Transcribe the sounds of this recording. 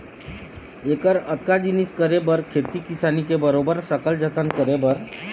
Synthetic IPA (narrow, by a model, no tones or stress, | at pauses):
ekəɾət̪̚kad͡ʑiniskəɾebəɾkʰet̪ikisanikebəɾobəɾsəkəld͡ʑət̪ʰənkəɾebəɾ